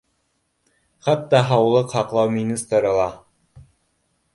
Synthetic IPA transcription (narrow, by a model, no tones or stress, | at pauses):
χɑt̪ːɑɦɑwlˠɤqhɑqlˠɑwmʲinʲist̪ɾɤ̆lˠɑ